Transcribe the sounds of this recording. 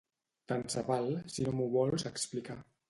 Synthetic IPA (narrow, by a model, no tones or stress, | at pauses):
t̪ansəβalˠsinomuβɔlˠzəksplika